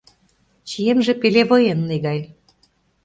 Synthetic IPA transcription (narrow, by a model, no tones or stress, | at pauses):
t͡ɕijemʒĕpeleβɤjenːeɣɑj